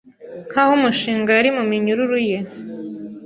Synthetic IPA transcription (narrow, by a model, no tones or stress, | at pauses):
ŋkahumuʃiːŋɡajaɾimumiɲuɾuɾuje̞